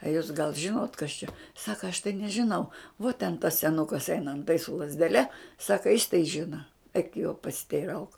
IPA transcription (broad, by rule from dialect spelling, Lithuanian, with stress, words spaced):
ɐ ˈjuːs ɡɐlˠ ˈʒʲɪnoːt kɐs t͡ʃʲɛ ˈsɑːkɐ ɐʃ tɐɪ nʲɛʒʲɪˈnɐʊ ʋuɔ tʲɛn tɐs sʲɛˈnʊkɐs ˈɛɪnɐ ɐnˈtɐɪ sʊ lˠɐzʲdʲɛˈlʲɛ ˈsɑːkɐ jɪs tɐɪ ˈʒʲɪnɐ ɛɪk joː pɐsʲɪtʲɛɪˈrɐʊk